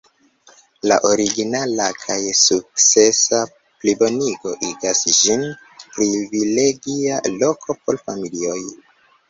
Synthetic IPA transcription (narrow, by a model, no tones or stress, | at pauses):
la̰ʔoɾiɡinalakʰajsuk̚t͡se̞sa | plibo̞niɡo̞ʔiɡasd͡ʒin | pɾivile̞ɡialo̞kʰo̞po̞lfamilio̞j